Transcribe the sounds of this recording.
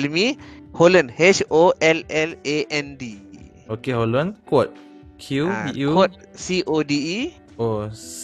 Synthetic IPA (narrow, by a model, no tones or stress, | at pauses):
lmiholə̃nhet͡ʃoʔɛlɛleʔɛ̃ndi | okeɦolə̃nkwɔt̚ | kʰjuiukwɔt̚siʔodi | o